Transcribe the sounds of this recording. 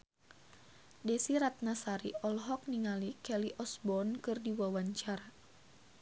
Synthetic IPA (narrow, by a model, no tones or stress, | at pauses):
dɛsiɾat̪̚nasaɾiɔlɦɔk̚niŋalikɛliʔɔsbɔnkɨrdiwawaɲt͡ʃara